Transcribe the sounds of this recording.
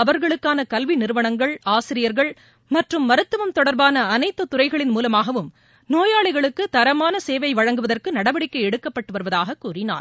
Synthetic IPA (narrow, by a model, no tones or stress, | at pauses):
ɐʋɐɾɣɐɭɯkːaːnɐkɐlʋinɪɾɯʋɐɳɐŋɡɐɭaːsɪɾɪjɐɾɣɐɭ | mɐʈrɯmːɐɾɯt̪ːɯʋɐmt̪ɔɽɐɾbaːnɐːnɐɪt̪ːɯt̪ʊrɐɪɣɐɭɪnmuːlɐmaːɣɐʋɯm | noːjaːɭɐɪɣɐɭɯkːɯt̪ɐɾɐmaːnɐseːʋɐɪʋɐɻɐŋɡɯʋɐðɐrkɯnɐɽɐʋɐɽɪkːɐɪɛɽɯkːɐpːɐʈːɯʋɐɾɯʋɐðaːɣɐkːuːrɪna̰ːɾ